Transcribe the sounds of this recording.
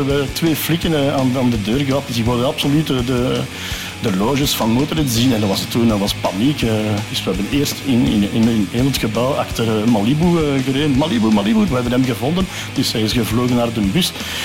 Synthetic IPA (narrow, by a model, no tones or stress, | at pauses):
əətʋeːflɪkənəaːnaːndədøːrɣəɑp̚ɪsɪkwodənɑpsolytədə | dəloːʒəsfɑnmoːtəɾɛtzinɛndɑʋɑsətuːnəʋɑspɑnikəd̥ʏsʋəɦɛbəneːrstɪnɪ̰nɪnɪneːlətxəbɑwa̰xtərmɑlibuɣəɾeːnmalibumaliburʋəɦɛbənɦɛmɣəvɔndən | d̥ʏsɦɛjɪsɣəvloːɣənːaːrdəmbys